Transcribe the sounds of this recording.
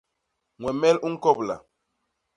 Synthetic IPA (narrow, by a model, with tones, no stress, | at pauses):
ŋwɛ˨mɛ˦lu˦ŋ̩˦kɔ˦˨pla̰˨